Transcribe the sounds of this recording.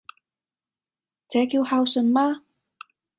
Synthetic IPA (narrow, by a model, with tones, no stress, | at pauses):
t͡sɛː˨˥ki˧wha˧wsɵ˧˩nmaː˥